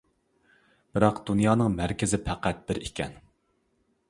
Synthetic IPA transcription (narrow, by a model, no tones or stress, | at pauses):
b̥ɨɾɑqd̪̥unjɑːnɨŋmæɾkʲɪzɪpʰæqʰæt̪̚bɪɾikʲɛ̰n